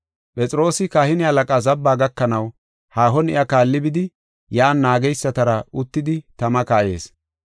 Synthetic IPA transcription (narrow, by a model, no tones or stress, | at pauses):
pʼɛt͡sʼɪɾo̞ːsɪkaːhɪnɪalɐkʼaːzɐbːaːɡɐkːɐnɐw | haːɦɔnɪ̰ʔɐkaːlːɪbɪd̪ɪ | jaːnːaːɡɛjsːɐt̪ɐɾɐʊt̪ːɪd̪ɪt̪ɐmɐkaːje̞̰ːs